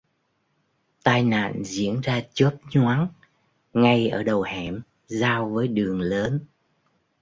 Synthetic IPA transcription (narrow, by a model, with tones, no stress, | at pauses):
t̪aː˧jna̰ː˧˨nzḭ˧˥˨ənzaː˧t͡ɕə˦˥p̚ɲwaː˨˦n | ŋa˧jʔəː˧˩ɗə˨˩whɛ˧˩m | zaː˧wvəː˨˦jɗɨ˨˩əŋləː˨˦n